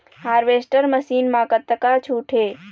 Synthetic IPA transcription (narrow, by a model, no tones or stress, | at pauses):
haːɾʋeːsʈəɾməsiːnmãːkət̪ːəkat͡ʃʰuːʈʰeː